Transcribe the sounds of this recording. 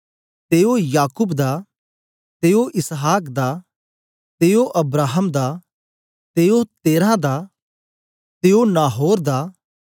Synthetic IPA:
t̪eːojaːkuːbd̪a | t̪eːoʔɪsɦaːkd̪a | t̪eːoʔɐbɾaːɦəmd̪a | t̪eːot̪eːɾãd̪a | t̪eːonaːɦoːɾd̪a

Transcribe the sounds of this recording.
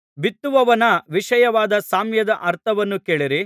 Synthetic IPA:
bit̪ːuʋɐʋɐnɐʋiʂɐjɐʋaːd̪ɐsaːmjɐd̪ɐʔɐɾt̪ʰɐʋɐnːukeːɭiɾi

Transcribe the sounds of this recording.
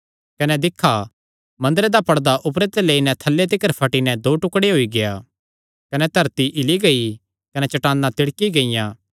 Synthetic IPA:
kɐnɛd̪ɪkʰːa | mɐ̃nd̪ɾed̪apɐɽd̪aʔʊpɾet̪eleːinɛ̃t̪ʰɐlːet̪̬ɪkəɾpʰɐʈinɛd̪oːʈʊkɽeɦoːiɡejaː | kɐnɛt̪ɐɾt̪iʔɪliɡɐi | kɐnɛt͡ʃɐʈaːnːat̪ɪɽkiɡɐɪjãː

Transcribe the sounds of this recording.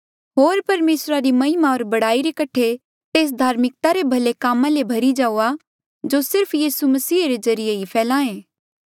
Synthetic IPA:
ɦoːɾpɐɾmeːsɾaɾimɐɦɪmaoːɾbɐɽaːiɾekɐʈʰe | t̪eːs̬d̪ʱaːɾmɪk̚t̪aɾebʱɐlekaːmãlebʱɐɾid͡ʒaːuːa | d͡ʒosɪɾpʰjiːsumɐsiːɾezɐɾɪjeɦipʰɛːlãːẽː

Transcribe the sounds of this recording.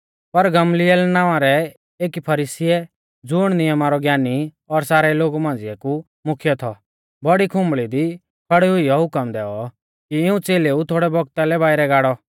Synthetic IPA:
pɐɾɡɐmlijɛlnãːʋãɾɛ | eːkipʰɐɾiːsiɛ | d͡zʊːɽ̃nɪjəmaɾɔɡjaːni | ɔɾsaːɾɛloːɡumãːnd͡zɪɛku | mʊkʰjɔt̪ʰɔ̰ | bɔɽikʰʊ̃mbɭid̪i | kʰɐɽiɦʊijɔɦʊkəmd̪ɛːɔ | kiɪũt͡seːleut̪ʰoːɽɛbɔɡ̚t̪alɛbaːɪɾɛɡaːɽɔ

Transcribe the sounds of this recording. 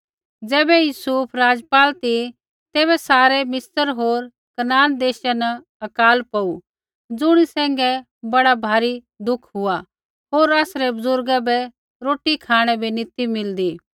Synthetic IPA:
d͡zɛːbɛjuːsupʰɾaːd͡zpaːlt̪i | t̪eːβɛsaːɾɛmɪsəɾɦoːɾ | kɐnaːnd̪eːʃanɐ | ɐkaːlpɐu | d͡zʊɽ̃isɛ̃ːŋɡɛ | bɐɽabʱaːɾi | d̪ʊkʰɦʊa | ɦoːɾaːsɾɛbʊzʊɾɡabɛ | ɾoːʈikʰaːɽ̃ɛbʱinɪt̪imɪld̪iː

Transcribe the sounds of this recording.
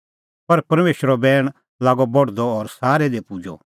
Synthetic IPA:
pɐɾpɐɾmeːʃɾɔbɛːɽ̃ | laːɡɔbɔɽd̪ɔɔːɾsaːɾɛd̪epud͡ʒɔ̰

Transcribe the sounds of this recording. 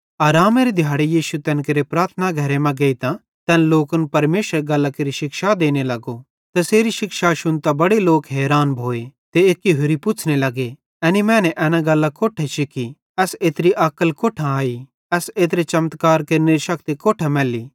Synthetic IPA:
aːɾaːmeɾid̪ʱjaːɽejiːʃut̪ɛ̃ːnkeɾepɾaːɾt̪ʰənaɡʱɐɾemɛ̃ɡɐːit̪ã | t̪ɛːnloːkənpɐɾmeːʃəɾɡɐlːakeɾiʃɪkʃad̪eːnelɐɡo | t̪ɐseːɾiʃɪkʃaʃʊnt̪abɐɽeloːkɦɛːɾaːnbʱoːet̪eeːkːiɦʊɾipʊt͡ʃʰnelɐɡe | ɛːnimɛ̃ːnɛʔɛːnãɡɐlːakoːʈʰeʃɪkʰi | ɛseːt̪ɾiʔɐkːəlkoːʈʰãaːi | ɛːseːt̪ɾet͡ʃɐmt̪kaːɾkeɾneɾiʃɐkt̪ikoːʈʰamɛːli

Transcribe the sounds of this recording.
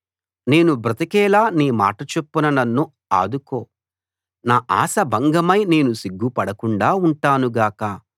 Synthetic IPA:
ne̞ːnubɾɐt̪ikɛːlaːniːma̰ːʈɐt͡ʃepːunɐnɐnːu | a̰ːd̪ukoː | naːʔaːsɐbʱɐŋɡɐmɐjne̞ːnusiɡːupɐɽɐkuɳɖaːuɳʈaːnuɡaːkɐ

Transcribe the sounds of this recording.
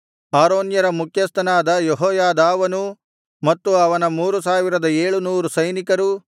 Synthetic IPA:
aːɾoːnjɐɾɐmukʰjɐst̪ʰɐnaːd̪ɐjeɦɔːjaːd̪aːʋɐnu | mɐt̪ːuɐʋɐnɐmuːɾusaːʋiɾɐd̪ɐeːɭunuːɾusɐjnikɐɾu

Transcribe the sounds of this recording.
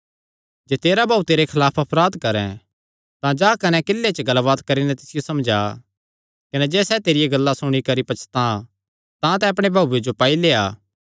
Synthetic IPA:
d͡ʒeːt̪eːɾabʱaːut̪eɾekʰɐlaːpʰɐpɾaːd̪kɐɾɛ̃ | t̪ãd͡ʒaːkɐnɛ̃kɪlːet͡ʃɡɐlʋaːt̪kɐɾinɛt̪ɪsɪjosɐmd͡ʒaː | kɐnɛd͡ʒɛːsɛt̪eːɾijeɡɐlːasʊɽ̃ikɐɾipɐt͡ʃʰt̪ã | t̪ãt̪ɛɐp̬ɽ̃ebʱaːued͡ʒopaːileːa̰ː

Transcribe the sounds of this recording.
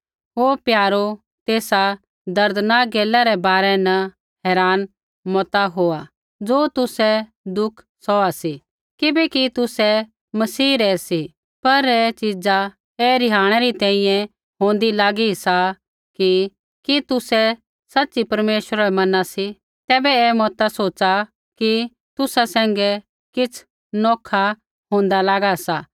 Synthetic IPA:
ɦoːpjaːɾo | t̪eːsa | d̪ɐɾd̪ənaɡeːlaɾɛbaːɾɛnɐ | ɦɛːɾaːn | mɔt̪aɦoːa | d͡zoːt̪ʊsɛ | d̪ʊkʰ | sɔasi | kɪbɛkit̪ʊsɛ | mɐsiːɾɛːsi | pɐɾɛt͡ʃid͡za | ɛːɾɪɦaːɽ̃ɛɾit̪ɛ̃ːĩjɛ̃ | ɦõːnd̪ilaːɡisa | ki | kit̪ʊsɛ | sɐtːsipɐɾmeːʃwəɾaɾɛmɐnasi | t̪ɛːbɛɛmɔːt̪asoːtːt͡ʃa | ki | t̪ʊsasɛ̃ːŋɡɛ | kɪt͡sʰ | nɔːkʰa | ɦõːnd̪alaːɡasaː

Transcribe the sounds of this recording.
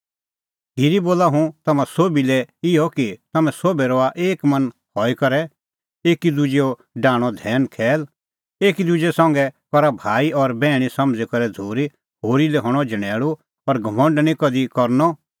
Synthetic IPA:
ɦiɾiboːlaɦũt̪ɐmãsoːbilɛɪjɔkit̪ɐmɛ̃soːbɛɾɔaʔeːkmɐ̃nhɔːikɐɾɛ | eːkid̪ud͡ʒeɔ | ɖãːɽ̃ɔd̪ʱɛːnkʰɛːl | eːkid̪ud͡ʒesãŋɡɛkɔɾabʱaːiɔɾbɛːɽ̃isɐmd͡zɛkɐɾɛd͡zʱoːɾi | ɦoːɾilɛɦɔ̃ɽ̃ɔd͡ʒɐɽ̃ɛːɭu | ɔɾɡʱɐmə̃ɳɖnĩkɔd̪ikɔɾnɔ

